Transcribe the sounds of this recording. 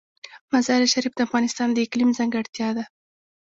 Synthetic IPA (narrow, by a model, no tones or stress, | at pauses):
mazɑɾiʃaɾifd̪əafɣɑnɪst̪ɑnd̪əɪklimzaŋɡaɽt̪jɑd̪a